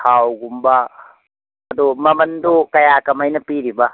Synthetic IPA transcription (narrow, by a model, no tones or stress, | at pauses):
haːwuɡumba | ɐd̪omɐmɐnd̪okɐjaːkɐmɐjnɐpiɾiba